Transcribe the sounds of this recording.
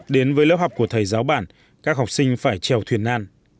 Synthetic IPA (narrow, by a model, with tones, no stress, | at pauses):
ɗe˨˦nvəː˨˦jləː˦˥p̚hɦwk͡p̚ku˧˩t̪ʰəː˨˩jzaː˨˦wɓa̰ː˧˩n | kaː˦˥k̚ɦɔ˨˩wk͡p̚sï˧ŋ̟faː˧˩jt͡ɕɛ˨˩wt̪ʰwi˧˩ənʔaː˧n